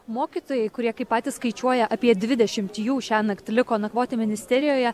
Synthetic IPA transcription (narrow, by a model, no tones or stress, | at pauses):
moːkʲiːt̪oːjɛɪkʊɾʲiɛkɐɪpːɑːt̪ʲiːsskɐɪt͡ʃʲuɔjɛʔɐpʲiɛd̪ʲʋʲɪd̪ʲɛʃʲɪmt̪ʲjuːʃʲænɐkt̪ʲlʲɪkoːnɐkʋoːt̪ʲɪmʲɪnʲɪsʲt̪ʲɛɾʲɪjoːjɛ